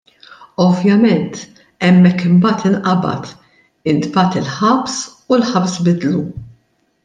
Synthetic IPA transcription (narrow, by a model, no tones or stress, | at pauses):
ɔvjɐmɛnt̪ | ɛmːɛkːɪmbɐːt̪ɪnʔɐbɐ̰t̪ | ɪnt̪bɐːt̪ɪlħɐpsulħɐpsbɪd̪lu